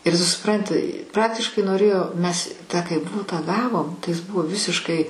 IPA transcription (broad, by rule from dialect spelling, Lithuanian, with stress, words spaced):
ɪr ˈtʊ sʊˈprɐnʲtʲɪ ˈprɑːktʲɪʃkɐɪ noːˈrʲeːjoː ˈmʲɛs ˈtɑː kɐɪ ˈbʊtɑː ˈɡɑːʋoːm tɐɪ jɪs ˈbʊʋoː ˈʋʲɪsʲɪʃkɐɪ